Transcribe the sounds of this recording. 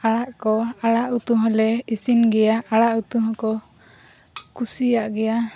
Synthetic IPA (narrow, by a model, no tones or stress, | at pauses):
aɽaʔkɔaɽaʔut̪uɦɔlɛisinɡɛjaʔaɽaʔut̪uɦɔ̃kɔ | kusijaʔɡɛja